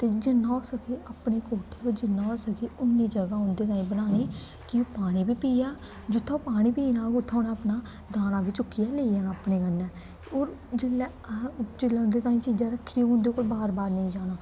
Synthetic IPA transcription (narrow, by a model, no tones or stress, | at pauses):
t̪eːd͡ʒɪnːaoːsəkʰeːʔaːpneːkoːʈʰeːʋɪd͡ʒɪnːaːoːsəkʰeːʊnːiːd͡ʒəɡaːʊnd̪eːt̪aːĩːbənaːneː | kɪoːpaːɽ̃ĩːbiːpiːjaː | d͡ʒʊt̪ʰːaopaːɽ̃ĩːpiːnãːɡʊt̪ʰːaːnɛːəpnaː | d̪aːnaːbiːt͡ʃʊkːɪjaːleːijaːnaːpneːkənːɛː | oːɾd͡ʒɪlɛ | d͡ʒɪlːɛːʊ̃nd̪eːt̪aːĩːt͡ʃiːd͡ʒaːɾəkʰːɾiːʊnd̪eːkoːlbaːɾbaːɾnəĩːd͡ʒaːnaː